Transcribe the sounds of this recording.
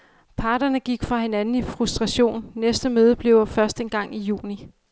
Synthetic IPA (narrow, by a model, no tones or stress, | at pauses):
pʰɑ̈ːɾ̥ɐnəɡ̥iɡ̥fʁɑ̈he̝nænn̩ifʁusd̥ʁɑ̈ɕo̝̰ːnːesd̥əmøːð̞ˠəb̥le̝ʊ̰fɶɐsd̥enɡ̥ɑ̈ŋ̰ijṵːni